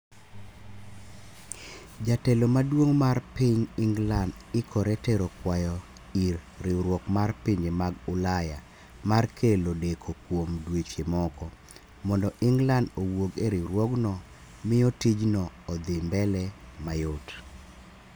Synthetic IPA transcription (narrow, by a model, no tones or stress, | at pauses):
d͡ʒatɛlomadwoŋmarpiɲɪŋɡland | ɪkʰɔɾɛteɾokwajɔ | iɾːɪɾwɔkmarpiɲemaɡʊlaja | markʰelodekʰokwomdwet͡ʃemɔkɔ | mɔndɔʔɪŋɡlandowoɡeɾiɾwɔɡnɔ | mɪɔtid͡ʒnɔːd̪ɪmbɛlɛmajot